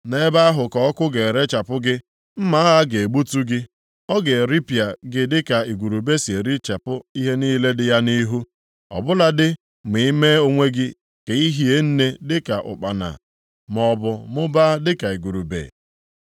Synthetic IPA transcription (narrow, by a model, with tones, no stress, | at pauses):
ne˦ba˦a˦ɦʊ˨kɔ˨ɔ˦kʊ˦ɡe˨e˨ɾe˦t͡ʃa˨pʊ˦ɡɪ˦ | m̩˦ma˦a˦ɣa˦ɡe˨e˨ɡ͡bu˦tu˦ɡɪ˦ | ɔ˦ɡe˨ɾi˦pi˨a˨ɡɪ˨dɪ˦ka˨i˨ɡu˨ɾu˨be˦si˨e˨ɾi˦t͡ʃa˨pʊ˦i˦ɦe˦niː˦le˦dɪ˦ja˦ni˦ɦu˦ | ɔ̰˨bʊ˦la˦dɪ˦ | m̩i˨i˦me˦o˦ŋʷe˦ɡɪ˦ | ke˨i˦ɦi˦e˦n̩˦ne˦dɪ˦ka˨ʔʊ̰˨k͡pa˨na̰˨ | mɔ˨bʊ˨mʊ˦ba˦dɪ˦ka˨i˨ɡu˨ɾu˨bḛ˨